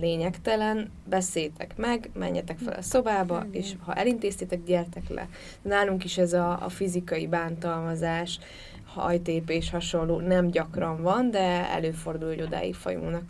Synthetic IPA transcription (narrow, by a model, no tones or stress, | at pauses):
leːɲɛkt̪ɛlɛn | bɛseːjt̪ʰɛkmɛɡmɛ̰ɲːɛt̪ɛkfɛ̰lɒ̰so̞baːbɒ̰eːʃhɒʔɛlint̪eːst̪et̪ɛkɟɛrt̪ɛklɛ̰ | naːluŋkiʃɛzɒ̰ːfizikɒjibaːnt̪ɒlmɒzaːʃ | hɒ̰jt̪eːpeːʃhɒʃo̞nːoːnɛmɟɒkrɒɱvɒnd̪ɛɛ̰løːfo̞rd̪ulhoɟo̞d̪a̰ːjḭfɒ̰jṵŋnɒk